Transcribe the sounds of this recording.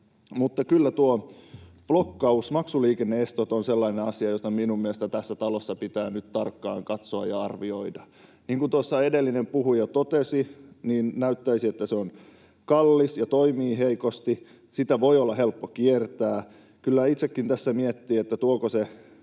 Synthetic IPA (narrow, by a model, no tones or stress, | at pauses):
mut̪ːɑkylːæt̪uo | b̥lokːɑusmɑksuliːkenːeest̪ot̪onselːɑineɑsiɑjost̪ɑminummiest̪æt̪æsːæt̪ɑlosːɑpit̪æːnyt̪t̪ɑrkːɑ̰ːŋkɑt̪soɑ̰jɑɑrʋioidɑ | niːŋkunt̪uosːɑedelːinempuhujɑt̪ot̪esiniːnnæyt̪ːæisiet̪ːæseon | kɑlːisjɑt̪oimiːheikost̪i | sit̪æʋoiolːɑhelpːokiert̪æː | kylːæit̪sekːint̪æsːæmiet̪ːiːet̪ːæt̪uokose